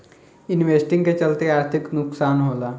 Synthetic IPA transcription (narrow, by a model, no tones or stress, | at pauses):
inʋesʈĩŋɡket͡ɕəlt̪eaɾt̪ʰiknʊksaːnɦola